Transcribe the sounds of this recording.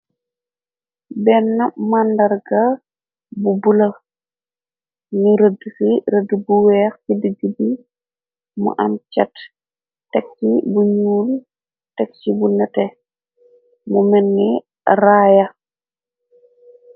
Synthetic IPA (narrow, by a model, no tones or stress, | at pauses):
bɛnːɐmandɐɾɡa | bubulɐ | nuɾədkiɾədubuwɛːxkidəɡəbi | mṵʔamt͡ʃɐt | tɛkːibuɲuːl | tɛk̚t͡ʃibunɛtɛ | mumɛnːi | ɾaːja